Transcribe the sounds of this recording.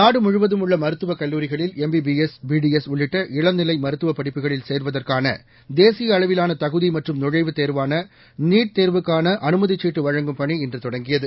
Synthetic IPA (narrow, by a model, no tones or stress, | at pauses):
naːɽɯmʊɻʊʋɐðɯmʊɭːɐmɐɾɯt̪ːɯʋɐkɐlːuːɾɪɣɐɭɪlɛmbibiɛsbiːɖiɛsɔɭːɪʈːɐʔɪɭɐnnɪlɐɪmɐɾɯt̪ːɯʋɐpːɐɽɪpːɯɣɐɭɪlseːɾʋɐðɐrkaːnɐ̰ | d̪eːsɪjɐːɭɐʋɪlaːnɐt̪ɐɣɯðimɐʈrɯmnɔɻɐɪʋɯt̪eːɾʋaːnɐ | niːʈ̚t̪eːɾʋɯkːaːnɐʔɐnɯmɐðɪt͡ʃːiːʈːɯʋɐɻɐŋɡɯmpɐɳiɛndrɯt̪ɔɽɐŋɡɪjɐðɯ